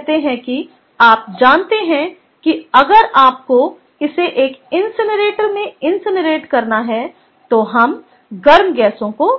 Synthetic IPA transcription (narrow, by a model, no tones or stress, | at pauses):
ɦt̪eɦɛ̃ki | aːp̚d͡ʒaːnt̪eɦɛ̃ | kiɐɡəɾaːp̚ko | ɪseʔeːkɪnsɪnɾeːʈəɾmẽɪnsɪnɾeːʈkɐɾnaɦɛ | t̪oɦɐm | ɡɐɾmɡɛːsõko